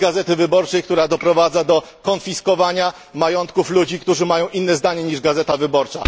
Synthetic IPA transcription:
ɡazɛt̪ɘvɘbɔɾt͡ʂɛjk̚t̪uɾad̪ɔpɾɔvad̪zad̪ɔ | kɔnfʲiskɔvaɲa | majɔnt̪kuflud͡ʑikt̪uʐɘmajɔ̃w̃ʔinːɛzd̪aɲɛɲiʐɡazɛt̪avɘbɔɾt͡ʂa̰

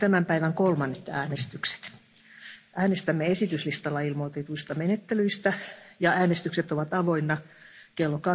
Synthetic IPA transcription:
t̪æmæmpæiʋæŋkolmɑnːet̪æːnest̪ykse̥t̪ | ʔæːnest̪æmːeesit̪yslist̪ɑlːɑilmot̪et̪uist̪ɑmenet̪ːelyist̪æjɑæːnest̪ykset̪oʋɑt̪ɑʋoinːɑ | kelːokɑ

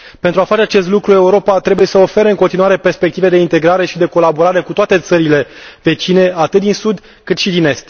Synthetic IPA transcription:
pent̪ɾuafat͡ʃe̞at͡ʃe̞st̪lukɾue̞uɾo̞pat̪ɾe̞buje̞səofe̞ɾeɨŋkont̪inuaɾe̞perspek̚t̪ived̪e̞int̪e̞ɡɾaɾe̞ʃid̪e̞ko̞laboɾaɾe̞kut̪oat̪e̞t̪səɾile̞ve̞t͡ʃine̞at̪ɨt̪̚d̪insud̪ | kɨt̪ʃid̪ine̞st̪

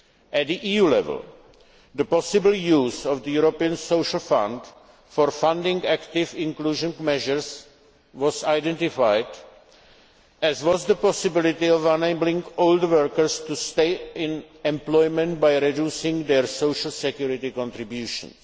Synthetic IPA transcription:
ʔɛt̪̚d̪iʔiːjuːlɛ̰vɛ̰l̩ | d̪əpɔsɪbl̩juːzɔvd̪əjuɾopiə̃nsoʊʃl̩fã̰nd | foɾfãndɪ̃ŋkækt̪ɪvɪ̃ŋkluːʒə̃nmɛʒəɹs | ʋɔsajdɛ̃nt̪ɪfajd | ʔɛzwɔzd̪əpɔsɪbɪlɪt̪ɪɔvaneblɪ̃ŋɡold̪wəɹkəɾst̪ust̪eɪɪ̃n | ɛ̃mplɔjmɛ̃nt̪bajɾɛdjuːsɪ̃ŋɡd̪ɛɹsowʃl̩sɛkjuɾɪt̪ɪkɔ̃nt̪ɾɪbjuʃə̰̃ns

